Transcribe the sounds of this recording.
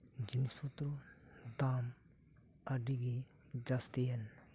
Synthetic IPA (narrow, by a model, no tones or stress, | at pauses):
ɡinispʰut̪ɾu | d̪aːm | ɐɖiɡid͡ʒast̪ijɐn